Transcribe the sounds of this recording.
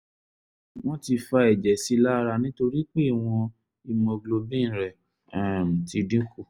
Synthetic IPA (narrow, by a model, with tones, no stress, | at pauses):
w̃ɔ̃˦ti˧fa˧ɛ˨d͡ʒɛ˨si˨˦la˦˧ɾa˧nĩ˦to˧ɾi˦k͡pe˦˨w̃ɔ̃˧ | i˧˨mɔ̃˧ɡlo˧bĩ˦ñ̩˦˨ɾɛ˨ | ɛ˨m̩˨ti˧dĩ˦ku˦˨